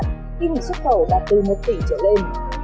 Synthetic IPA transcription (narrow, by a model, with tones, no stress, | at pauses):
ʔi˧m̚˨˩swu˦˥t̚xə˧˩wɗaː˨˩t̪ɨ˨˩mo˨˩t̚t̪i˧˩t͡ɕəː˧˩le˧n